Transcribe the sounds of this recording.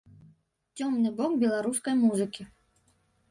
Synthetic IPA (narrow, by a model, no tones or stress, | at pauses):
t͡sʲɔmnɨbɔkbʲɛlˠaɾuskɐjmuzɨkʲi